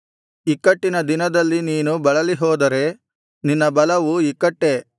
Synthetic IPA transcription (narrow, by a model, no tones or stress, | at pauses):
ikːɐʈːinɐd̪inɐd̪ɐlːiniːnubɐɭɐliɦɔːd̪ɐɾe̞ | ninːɐbɐlɐʋuikːɐʈːe̞